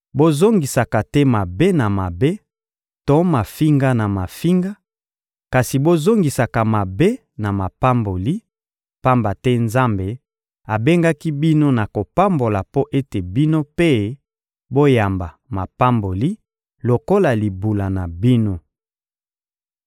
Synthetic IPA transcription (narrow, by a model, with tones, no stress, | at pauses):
bo˦zo˦ŋɡi˨sa˨ka˨tɛ˦ma˨be˦na˨ma˨be˦ | to˦ma˨fi˦ŋɡa˦na˨ma˨fi˦ŋɡa˦ | ka˨si˨bo˦zo˦ŋɡi˨sa˨ka˨ma˨be˦ | na˨ma˨pa˦mbo˨li˦ | pa˦mba˨tɛ˦nza˦mbe˨ | a˨be˦ŋɡa˦ki˦bi˦no˦na˨ko˨pa˦mbo˨la˨po˦ʔe˦te˨bi˦no˦pe˦ | bo˦ja˨mba˨ma˨pa˦mbo˨li˦ | lo˨ko˦la˨li˨bu˨la˨na˨bi˦no˦